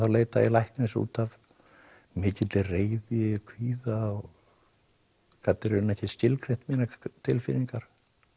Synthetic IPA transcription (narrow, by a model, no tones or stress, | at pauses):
θawleːjt̪ailajhknɪsṵːt̪av | mɪːcɪt̪lɪreːjðɪkʰviːðaɔɣ | kat̪nɪɾʏnɛhcɪscɪlkʰɾejn̥t̪miːnat̪ʰɪlfɪːniŋkaɾ̥